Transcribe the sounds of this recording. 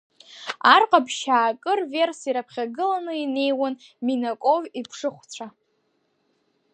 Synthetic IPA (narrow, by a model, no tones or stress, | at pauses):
arqʼabʃaːkʼɨrve̞rsiɾapʰχʲaɡɨlanɨine̞jwanminakʷʼo̞vipʰʂɨχʷt͡sʷʰa